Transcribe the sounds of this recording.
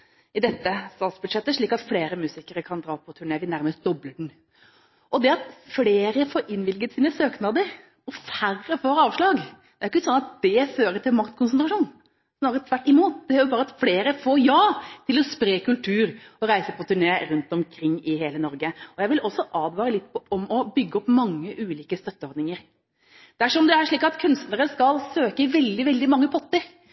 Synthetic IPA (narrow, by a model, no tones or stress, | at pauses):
ɪd̪ɛt̪ːəst̪ɑːt̪sbʉd̪ʂɛt̪ːəʂɭiːkɑt̪fleːɾəmʉːsɪkəɾəkʰɑnd̪ɾɑːpʰɔt̪ʰʉɳeːʋɪnæɾməst̪̚d̪̥ɔbləɖn̩ | ʔɔd̪ɛɑt̪fleːɾəfoːɾɪnʋɪlɡət̪siːnəsøːknɑd̪əɾ | ɔfærːəfɔɾɑːʋʂɭɑːɡd̪̥ɛæɾjɪkːɪsɔnːɑt̪̚d̪̥ɛføːɾət̪ʰɪlmɑkt̪kʰʊnsnt̪ɾɑʂuːn | snɑːɾət̪ʰʋæʈːɪmuːt̪d̪ɛæɾjʊbɑːɾəɑt̪fleːɾəfoːjɑːt̪ʰɪlɔspɾeːkʰʉlt̪ʰʉːɾɔɾæɪsəpʰɔt̪ʰʉɳeːɾʉnt̪ɔmkʰɾɪŋːɪɦeːlənɔɾɡəɔjæɪʋɪlʔɔsːɔʔɑːd̪ʋɑːɾəlɪt̪ːpʰɔɔmɔbʏɡːəɔpːmɑŋːəʔʉːliːkəst̪œt̪ːəɔɾd̪nɪŋəɾ | d̪̥æʂɔmd̪ɛæɾʂɭiːkɑt̪kʰʉnst̪nəɾəskɑlsøːkəʋɛld̪ɪʋɛld̪ɪmɑŋːəpʰɔt̪ːəɾ